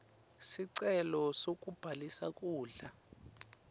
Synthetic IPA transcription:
siǀɛlɔsokʼub̥ʱalisak̬ʼuːɮa

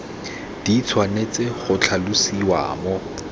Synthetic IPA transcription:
d̥it͡sʰwanet͡sʼɪχʊt͡ɬʰalʊsiwa̰ːmɔ

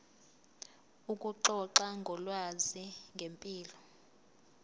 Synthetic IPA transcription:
ukʼuǃɔǁaŋɡʱɔlwaziŋɡʱempʼiːlɔ

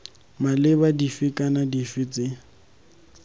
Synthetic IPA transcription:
malɪβadifɪkʼanadifɪt͡sʼɪ

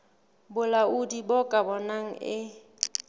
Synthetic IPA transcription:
bʊlaudibɔkʼabɔnaŋ̩ɪ

